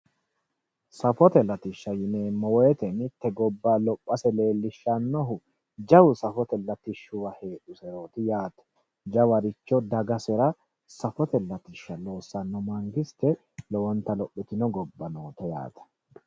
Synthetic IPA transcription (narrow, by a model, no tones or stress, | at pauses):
sɐfɔt̪ɛlɐt̪ɪʃːɐjɪneːmːɔweːt̪ɛnɪt̪ːɛɡɔbːaːlɔpʼːɐsɛle̞ːlːɪʃːɐnːɔɦʊ | d͡ʒɐwʊsɐfɔt̪ɛlːɐt̪ɪʃːʊwɐheːᶑʊsɛɾo̞ːt̪ɪjaːt̪ɐ̥ | d͡ʒɐwɐɾɪt͡ʃːɔd̪ɐɡɐsɛɾɐ | sɐfɔt̪ɛlːɐt̪ɪʃːɐlo̞ːsːɐnːɔmɐŋɡɪst̪ɛ | lɔwɔnt̪ːɐlɔpʼːɪt̪ɪnɔɡɔbːɐnoːt̪ɔja̰ːt̪ɐ̥